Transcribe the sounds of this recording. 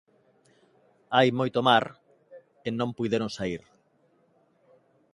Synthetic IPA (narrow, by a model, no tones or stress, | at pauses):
ajmojt̪omaɾ | enõmpujðeɾõŋsaiɾ